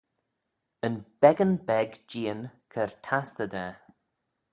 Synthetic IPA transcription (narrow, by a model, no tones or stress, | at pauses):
ənb̥ɛɡənbɛɡd͡ʒiːənkʰəɹtʰastəd̪ɛː